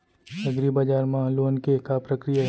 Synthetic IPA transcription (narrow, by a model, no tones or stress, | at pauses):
t͡ʃɐɡɾibad͡ʒaːɾmãloːnkekapɾəkɾijaɦ